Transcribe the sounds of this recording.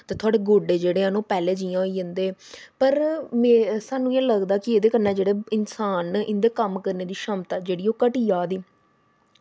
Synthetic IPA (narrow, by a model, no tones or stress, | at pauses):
t̪eːt̪ʰʊaːɽeːɡoːɖeːd͡ʒeːɽeːɦənoːpɛːleːd͡ʒiːãːoiːd͡ʒə̃nd̪eːpəɾmẽːsaːnũːɛ̃ːləɡd̪aːkɪeːd̪eːkəɾnːãːd͡ʒeːɽeːɪnsaːnɪnd̪ekəmkəɾneːd̪iːʃəːmt̪aːd͡ʒeːɽiːoːkəʈiːjaːd̪iː